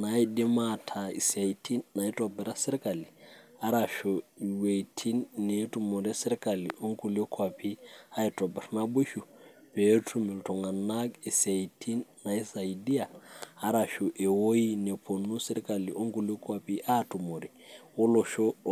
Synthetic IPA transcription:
na˨i˦di˦ma˦˨tʰa˨ḭ˨sa˨tʰi˦nna˨i˦tɔ˨bɛ˨ɾa˦sɛ˦ɾi˦ka˨li˨a˦ɾa˨ʃo˨we˨itʰi˦nːe˨˦tu˨mo˨ɾe˦se˦ɾka˨li˨ʔo˦ŋɡu˨le˦kʰwa˨pʰi˦a˦i˨tɔ˨bɛ˨ɾna˦ɓu˦ʃu˨pe˨˦tʰu˦mi˨ltɔ˨ŋa˨na˦ki˨sa˨i˨tʰi˦nːa˨i˦sa˨i˨di˦aː˨˦ɾa˨ʃu˨ʔe˨wo˦i˦ne˨pʰo˨nu˦sɛ˦ɾi˦ka˨li˨ʔo˦ŋɡu˨le˦kʰa˨pi˦ʔa˦tu˨mo˨ɾi˨o˦lo˨ʃo˦

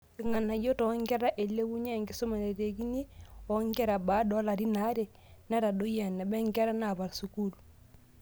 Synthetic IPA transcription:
ki˨ŋa˨nːa˨ɟo˦tɔ˨˦ŋɡɛ˦ɾa˦ʔe˨lːe˦wu˦ɲe˦˨ŋɡi˦so˦ma˨ne˨ɾe˨ɡi˦ni˦ɔ˨˦ŋɡɛ˦ɾa˨ba˨˦dɔ˦la˨ɾi˦na˦ɾe˨ | na˦ɾa˨do˦ja˨nːɛ˨bɛ˦ŋɡɛ˦ɾa˦na˨ba˨ɾsu˨ku˦lu˨

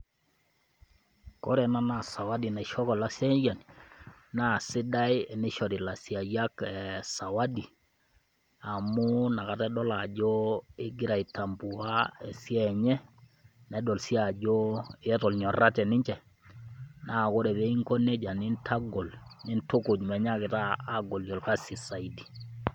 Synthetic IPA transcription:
kɔ˦ɾɛ˨na˦na˨sa˨wa˦di˨na˨ʃɔ˦kɔ˨la˦sjɛ˦d͡ʒa˨n | na˦˨sɪ˦da˦jni˦ʃɔ˨di˨la˨si˨a˨ja˦kɛ˨sa˨wa˦di˨ | a˨mu˦na˨ka˨tɛ˦dɔ˦la˨d͡ʒo˦ɪ˦ɡɪ˦ɾa˨i˨ta˨mbu˨wa˦ɛ˨sjɛ˨ɲɛ˦ | nɛ˨dɔ˨lsi˦a˨d͡ʒo˦tɔ˨lɲɔ˨ra˦tɛ˨nɪ˦ɲt͡ʃɛ˨ | na˦˨ko˦ɾɛ˨bɛ˦i˦ŋko˦ne˦d͡ʒa˨nɪ˦ntʰa˦ɡɔ˨lnɪ˦nto˦kʊ˨d͡ʒmɛ˨ɲa˦kɪ˨taː˦ɡɔ˨ljɔ˨lka˦si˨sa˨i˨di˨

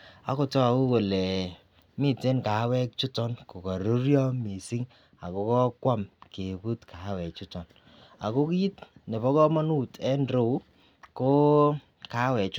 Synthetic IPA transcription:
a̰˨ko˦tɔ˦˨u˦ko˨lɛ˨ | mi˦˨te˦nka˨˦wɛ˦k̚t͡ʃu˦tɔ˦nko˨ka˨ɾu˦ɾjɔ˦mi˨si˦ŋ | a̰˨ko˨kɔ˦kwa˦mke˨bu˦tkʰa˨˦wɛ˨k̚t͡ʃu˦tɔ˨n | a̰˨ko˦ki˦i˦tne˨βɔ˦kɔ˦mɔ˦nu˦tɛ˦nɾo˨˦ | ko˦ | ka˨˦wɛ˨t͡ʃ

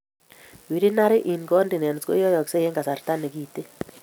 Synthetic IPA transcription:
wi˨ɾi˦na˦ɾɪ˦ʔi˨nɡɔ˦ndi˨nɛ˨n˨sko̰˦jɔ˦jɔ˨kse˦je˦ŋɡa˨sa˨ɾta˦ne˨kiː˦˨te˦

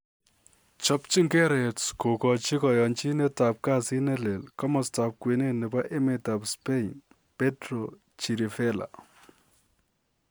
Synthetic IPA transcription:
t͡ʃɔ˦pt͡ʃi˦ŋkɛ˦ɾɛ˨tsko˨kɔ˨t͡ʃi˦kɔ˨jɔ˨nt͡ʃi˦nɛ˦ta˨p̚ka˦˨si˦nɛ˦le˨lkɔ˦mɔ˨sta˨p̚kwe˨ne˦˨nɪ˨ba˦ʔe˦me˨ta˨pspe˦n | pe˦tɾo˨ | t͡ʃi˨ɾi˨fɛ˦la̰˨

